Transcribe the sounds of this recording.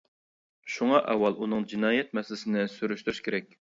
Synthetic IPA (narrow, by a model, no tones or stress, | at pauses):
ʃuŋɑʔɛwːɑlˠʔunɨŋd͡ʒinɑːjɛt̪̚mɛsɪlɪsɪnɪsyɾyʃt̪yɾyʃkʲʰeɾɛkʲ